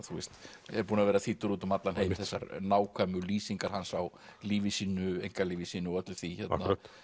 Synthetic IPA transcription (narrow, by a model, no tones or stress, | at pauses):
θuɪst̪ɛɾpuːnavɛːɾaθit̪ʏɾut̪ʏmat̪lanhejmθɛsːa̰ɾnaːwkʰamʏliːsiŋkaɾ̥hansaw | liːvɪsiːnʏejŋkaliːvɪsiːnʏɔœt̪lʏ̥θiçɛt̪na